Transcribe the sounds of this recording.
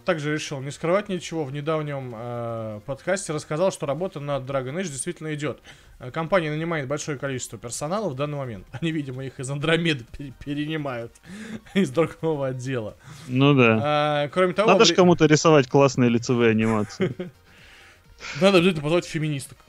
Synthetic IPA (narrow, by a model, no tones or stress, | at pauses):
t̪aɡʐɨɾʲɪʂɨlˠnʲɪskɾɨvat̚ʲnʲɪt͡ɕɪvo̞vnʲɪd̪avnʲɪəməpɐt̪kasʲtʲɪɾəskɐzalˠʂt̪oɾɐbo̞t̪ənəd̪ɾaɡənɛt͡ʃdʲɪjst̪vʲitʲɪlʲnəɪdʲo̞t̪ː | kɐmpanʲɪjənənʲɪmajɪt̪̚bɐlʲʂo̞jəkɐlʲit͡ɕɪst̪vəpʲɪrsɐnalˠəvd̪anːɨjmɐmʲe̞nt̪ɐnʲivʲidʲɪməixɪzɐnd̪ɾɐmʲed̪əpʲɪɪpʲɪɾʲɪnʲɪmajʊt̪ɪzd̪ɾʊɡovəɐdʲːe̞lˠə̰nud̪aakɾo̞mʲɪt̪ɐvonad̪əʂkɐmut̪əɾʲɪsɐvatʲklˠasnɨjəlʲɪt̪sɨvɨjɐnʲɪmat̪sɨ | nad̪əbʲɪzat̪̬ʲnəpɐzvolʲɪtʲfʲɪmʲɪnʲist̪ə̥f